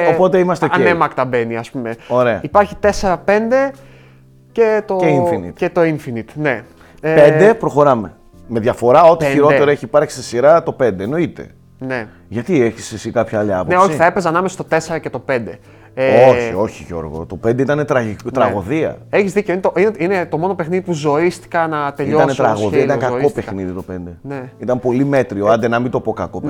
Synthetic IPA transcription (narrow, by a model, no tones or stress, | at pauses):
opo̞t̪e̞imɐst̪eɐnemɐkt̪ɐbe̞niɐspume̞o̞ɾe̞ɐ̰ipɐɾçit̪e̞se̞ɾɐpe̞nd̪e̞ | ce̞t̪oinfinḭt̪et̪o̞iɱfinit̪ne̞ | pedd̪e̞pɾo̞xo̞ɾɐme̞ | me̞ðʝɐfo̞ɾɐo̞t̪içiɾo̞t̪e̞ɾoeçiːpɐɾçsist̪isiɾɐt̪o̞pe̞nd̪eno̞it̪e̞̰ | ne̞ | ʝɐt̪ieçisesikɐpçɐɐliɐponeoçsiθɐepezɐnɐmesost̪ot̪e̞seɾɐcet̪o̞pe̞nd̪e̞ | eoçio̞çiʝo̞ɾɣo̞̰t̪o̞pend̪eit̪ɐnet̪ɾɐt̪ɾɐɣo̞ðiɐ̰eçizðiceinet̪oʔineinet̪o̞mo̞no̞pe̞xniðipuzo̞ist̪i̥kɐnɐt̪eiot̪ɐnet̪ɾɐɣoðiɐit̪ɐkɐkopexniðit̪o̞pe̞nd̪e̞neit̪ɐmpo̞lime̞t̪ɾioɐnd̪enɐmint̪opo̞kɐko